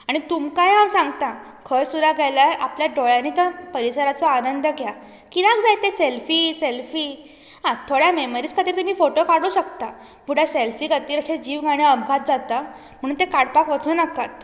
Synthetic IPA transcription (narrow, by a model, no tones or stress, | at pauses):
aɽ̃it̪umkajɦawsãŋɡt̪a | kʰəɾsuɾaɡʱalaɾapljaɖojaniːt̪əpəɾisəɾat͡sɔanənd̪əkja | kinakd͡zajt̪eselfiːselfiː | ɦãt̪ʰoɽjameməɾiːt͡skʰət̪iːɾt̪əmiːfoʈokaɽuːɕəkt̪a | puɽ̤jaselfiːkət̪iːɾəɕẽd͡ʑiːʋɡʱaɽ̃eəbɡʱat̪̚d͡zat̪a | m̤əɽ̃uːnt̪ekaɽpakʋət͡sunəkat̪